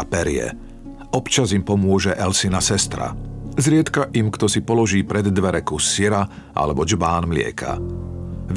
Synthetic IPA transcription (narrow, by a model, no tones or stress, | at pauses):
pɛɾɪɛ̰ | ɔpt͡ʃazimpɔmʊɔʒɛʔɛlsinasɛst̪ɾa̰zɾɪɛt̪kaʔimkt̪ɔsipɔlɔʒiːpɾɛd̪ːʋɛɾɛkusiɾa | ʔa̰lɛbɔd͡ʒbaːnmlɪɛ̰kʰa̰ | ʋ